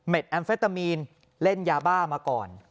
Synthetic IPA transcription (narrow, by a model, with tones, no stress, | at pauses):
me˨˩t̪̚ʔɛː˧nfe˦˥t̪ːa˧miː˧n | le˥˩njaː˧baː˥˩maː˧kɔː˨˩n